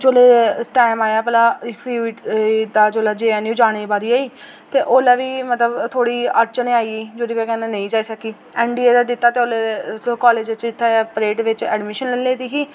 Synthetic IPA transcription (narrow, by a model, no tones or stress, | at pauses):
d͡ʒoːleːʈaːɪmaːjaːpɛlaːsiːid̪aːd͡ʒoːlaːd͡ʒeːaːnĩːd͡ʒaːɽ̃eːbaːɾiːaːiː | t̪eːʔoːlaːʋiːmət̪ləbt̪ʰoːɽiːəɾt͡ʃənĩːaːiːiːd͡ʒoːd̪iːkɛkɛnãnə̃ĩːd͡ʒaːiːsəkiː | ɛ̃ːɳɖiːeːd̪aːd̪ɪt̪ːaːt̪eoːlekɔːleːd͡ʒt͡ʃɪt̪ʰːaːaːpɾeːʈʋɪt͡ʃɛ̰ːɖmɪʃənlleːd̪iːɦiː